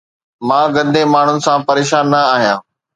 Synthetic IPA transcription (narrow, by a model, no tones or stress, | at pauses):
mãːɡɐ̃nd̪ʱemaːɳ̤ʊnɪ̆sãpɐɾeːʃaːnːɐaːɦijãː